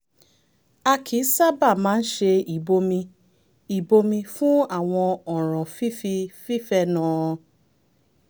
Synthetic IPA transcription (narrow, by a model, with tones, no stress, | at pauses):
a˧kʰi˨˦sa˦ba˦˨mãː˨˦n̩˦ʃe˧i˨bo˧mĩ˧ | i˨bo˧mĩ˧fũ˦a˦˨w̃ɔ̃˧ɔ˨ɾ̃ɔ̃˨fi˦fi˧fi˦fɛ˧˨nã˨˦˧